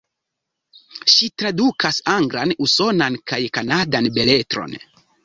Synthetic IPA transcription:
ʃitɾadukʰasaŋɡɾanuso̞nankajkanadanbe̞le̞tɾo̞̰n

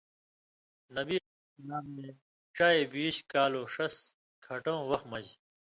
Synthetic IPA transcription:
nɐbi | naːmmẽ | ʈ͡ʂaːebiːɕkaːloːʂɐs | kʰɐʈõːwɐxmɐd͡ʑ

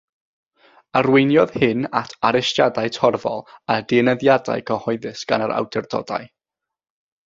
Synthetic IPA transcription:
arwɪjnjɔðhɨnatʰaɾɪstjadaɨtʰɔrvɔ̰lˠadɪnəðjada̰jkʰəhɔɨðɨsɡ̥anaɾʔa̰wdɛrdɔ̰da̰ɨ

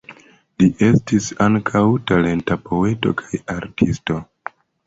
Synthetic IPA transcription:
liʔe̞stisaŋkʰawtale̞ntapo̞e̞to̞̰kʰajaɾtʰisto̞

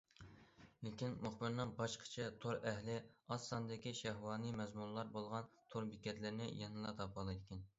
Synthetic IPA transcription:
lɪkʲinmʊχbɪɾnɨŋbɑʃqʰə̥t͡ʃʰɛt̪ʰoɾɛɦlɪɑsːɑnd̪ɪkʲiʃæɦwɑːnɨmɛzmunlˠɑɾbolˠʁɑnt̪ʰoɾbikʲɛt̪lɪɾnɪ̰jɑnɨlˠɑt̪ʰɑpʰɑlˠɨjd̪ɪkʲɛn

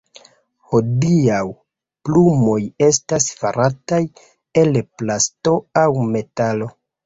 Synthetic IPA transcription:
ho̞diaw | plumo̞je̞stasfaɾataj | e̞lplasto̞awme̞talo̞

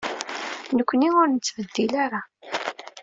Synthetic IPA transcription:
nəkʷːəniʊɾnət͡sːvəd̪ːilaɾa

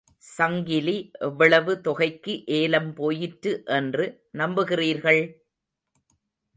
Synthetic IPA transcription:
sɐŋɡɪliʔɛʋːɐɭɐʋɯt̪ɔɣɐɪkːɯʔeːlɐmpoːjɪʈɾɯʔɛndrɯ | nɐmbɯɣɪriːɾɣɐɭ

